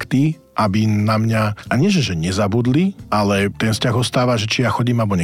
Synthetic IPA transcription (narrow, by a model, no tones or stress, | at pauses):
kt̪i | ʔabinamɲaʔaɲɪɛʒɛʒɛɲɛzabud̪liʔalɛt̪ɛnfscaɣɔst̪aːʋaʒɛt͡ʃijaxɔɟiːmalbɔɲɛ